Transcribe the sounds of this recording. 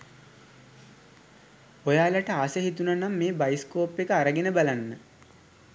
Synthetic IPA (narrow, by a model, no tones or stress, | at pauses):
ojaːlaʈəaːsəɦit̪unanamːeːbajiskoːpːekəaɾəɡenəbalanːə